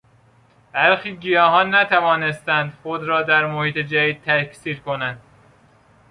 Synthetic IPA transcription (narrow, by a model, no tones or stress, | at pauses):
b̥æɾxiːɟijɒːɦɒːnːæt̪ʰævɒːne̞st̪ænd̪xod̪ɾɒːd̪æɾmohiːt̪ʰed͡ʒæd̪iːd̪̚t̪ʰækʰsiːɾkʰonænd̪̥